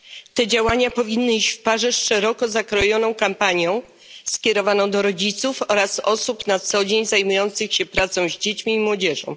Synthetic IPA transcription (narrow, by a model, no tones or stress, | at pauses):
t̪ɛd͡ʑawaɲapɔvʲinːɘiɕt͡ɕfpaʐɛʂɛɾɔkɔzakɾɔjɔnɔ̃w̃kampaɲjɔ̃w̃ | skʲɛɾɔvanɔ̃w̃d̪ɔɾɔd͡ʑit̪sufɔɾasɔsupnat̪sɔd͡ʑeɲzajmujɔnt̪sɘxɕɛpɾat̪sɔ̃w̃ʑd͡ʑet͡ɕmʲiːmwɔd͡ʑɛʐɔ̰̃w̃